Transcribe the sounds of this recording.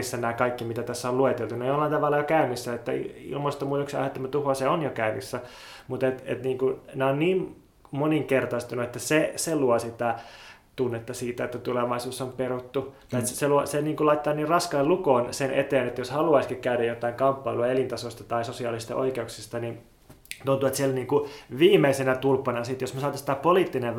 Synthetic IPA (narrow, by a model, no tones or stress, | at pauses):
sːænæikɑikːimit̪æt̪æsːæoluet̪elt̪unɑjolːɑint̪ɑʋɑlːɑjokæynisːæet̪ːæḭḭlmoist̪ːomuːt̪yksɑ̰het̪ːɑmæt̪uhoseonjokæynisːæ | mut̪et̪ḛt̪niːŋkuneonniːm | moniŋkert̪ɑist̪unuet̪ːæseseluosit̪æ | t̪unːet̪ːɑsiːt̪æet̪ːæt̪uleʋɑisosːomperut̪ːu | et̪seluoseniːŋkulɑit̪ːɑːniːrrɑskɑːlukoːnsenʔḛt̪eːnet̪ːæjoshɑluɑiskikkæyɾæjot̪ɑiŋkɑmpːɑiluɑelint̪ɑsost̪ɑt̪ɑisosiɑ̰lisist̪ɑ̰ʔo̰ikeuksist̪ɑnin | t̪unt̪uet̪sielniːŋkuʋiːmeisenæt̪ulpːɑnɑsit̪josmesɑːt̪ːɑsi̥t̪æpoliːˑt̪ːine